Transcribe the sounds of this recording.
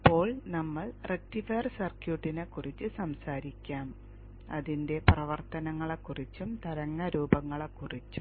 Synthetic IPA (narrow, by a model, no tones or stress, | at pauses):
ipːo̞ːɭnɐmːɐɭrek̚tifejrsɐrkjuːʈːinekːurit͡ɕːɨsɐmsaːɾikʲːaːm | ɐðinde̞prɐʋɐrt̪ɐnɐŋːɐɭekːurit͡ɕːumt̪ɐɾɐŋːɐɾuːbɐŋːɐɭɐkːurit͡ɕːu